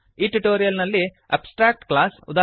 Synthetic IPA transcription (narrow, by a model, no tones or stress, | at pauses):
iːʈuʈoːɾijɐlnɐlːi | ɐ̰psʈɾaːk̚ʈklaːsud̪aː